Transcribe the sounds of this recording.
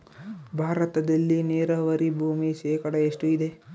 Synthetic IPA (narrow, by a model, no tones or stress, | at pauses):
bʱaːɾɐt̪ɐd̪ɐlːineːɾɐʋɐɾibʱuːmiʃɛːkɐɽɐeʂʈuid̪e̞